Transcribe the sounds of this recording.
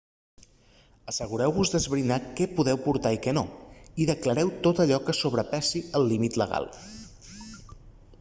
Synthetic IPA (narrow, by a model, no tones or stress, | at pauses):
əsəɣuɾɛwβuzðəzβɾinakɛpuðɛwpuɾt̪aikɛnoiðəkləɾɛwt̪ot̪əʎɔkəsoβɾəpasiəlˠːimit̪ləɣ̞a̰lˠ